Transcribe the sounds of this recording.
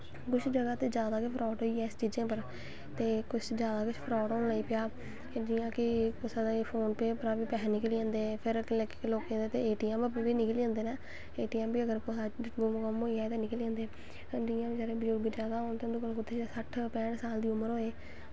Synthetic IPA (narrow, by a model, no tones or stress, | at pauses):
kʊt͡ʃʰd͡ʒəɡaːt̪eːd͡ʒjaːd̪aːkɪpʰɾɔːʈɦoːiːɛːɪst͡ʃiːd͡ʒãːpəɾ | t̪eːkʊt͡ʃʰd͡ʒjaːd̪aːkʊt͡ʃʰpʰɾɔːʈɦoːnlaːiːpɪjaː | d͡ʒiːãːkɪkʊsad̪apʰoːnpeːpəɾãːbiːpɛːɦnɪkliãːnd̪eːpʰɪɾklekːkeloːkẽːeːt̪eːeːʈiːãːmbəpeːʋiːnɪkəliãːnd̪eːnɛː | eːʈiːãːmbiːəɡəɾkʊsaːɡomkəmoːiːɛːt̪eːnɪkəliãːnd̪eː | d͡ʒiːãːbid͡ʒəɾẽːbəd͡ʒʊɾɡid͡ʒjaːd̪aːõːnt̪eʊnd̪uːkəlk̬ʊt̪ʰːeːsəʈʰpɛ̃ːɖsaːld̪iːʊməɾɦoːeː